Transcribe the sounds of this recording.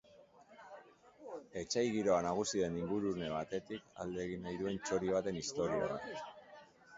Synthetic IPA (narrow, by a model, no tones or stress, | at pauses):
e̞t͡ʃajɣiɾo̞anaɣ̞usiðe̞niŋɡuɾune̞β̞at̪e̞t̪ika̰ld̪eɣ̞inajðue̞nt͡ʃo̞ɾiβ̞at̪e̞nist̪o̞ɾio̰ða̰